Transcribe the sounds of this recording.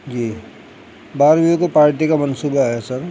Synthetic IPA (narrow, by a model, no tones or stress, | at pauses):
d͡ʒiː | baːɾbiokopaːɾʈikamɐnsuːbaɦɛsɐɾ